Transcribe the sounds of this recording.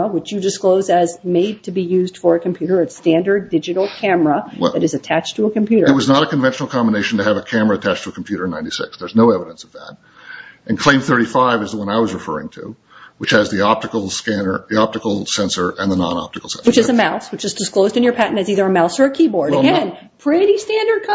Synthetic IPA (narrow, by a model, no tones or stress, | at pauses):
əwɨt͡ʃjɨdɨskloʊzɨzmeɪd̚tʰɨbijʉzd̥fə˞ɨkʰm̩pʰj̥ʉɾə˞ɨstæ̃ndə˞ddɪd͡ʒɨɾl̩ˠkʰæmə˞əðɨɾɨzɨtʰæt͡ʃtʰəəkm̩pʰj̥ʉɾə˞ɨt̚wʌznəɾɨkɨ̃ɱvɛ̃nʃnl̩ˠkʰɑ̃mbəneɪʃn̩tɨːvɨkʰæmə˞ɨɨtʰæt͡ʃtʰəəkʰm̩pʰj̥ʉɾə̃˞nãɪ̃nti̥sɪ̰ksðə˞znoʊɛvəɾə̃nsʌvðæ̰ɾ | ʔɨ̃nkʰl̥ẽɪ̃mθɜ˞ɾifaɪvɨzðəwʌ̃naɪwʌzɹɨfɜ̰˞ɪ̰̃ŋtʰɨ̰ | wɨt͡ʃhɨzðiɑp̚tɨkl̩ˠskænə̰˞ðiɑp̚tɨkl̩ˠsɛ̃nsə˞ʔɨ̃nðənɑ̰̃nɑ̰p̚tɨkl̩ˠsɛ̰̃nswɨt͡ʃɨzɨmaʊswɨt͡ʃɨzdɨsklˠoʊzdɨ̃njə˞pʰæʔn̩tɨziðə˞ɨmaʊsə˞ɨkʰibɔɹdɨɡɛ̃n | pʰɹ̥ɪɾistæ̃ndə˞d̚kʰ